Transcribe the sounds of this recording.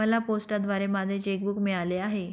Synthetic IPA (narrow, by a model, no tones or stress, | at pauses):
əlaposʈad̪ʋaɾemad̪ʱet͡ɕek̚bukmiɭaleaɦe